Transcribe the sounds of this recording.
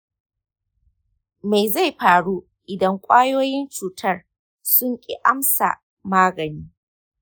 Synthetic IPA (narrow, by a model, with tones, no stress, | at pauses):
ma˨jza˦˨jɸaː˨ɽuː˦ | ʔɪ˨dɐ˦ŋkʷʼaː˦joː˦jɪ˦nt͡ʃuː˨tʰɐ˦r | sʊ˦ŋkʲʼḭ˦ʔa˦msa̰˨ | maː˦ɡɐ˨niː˦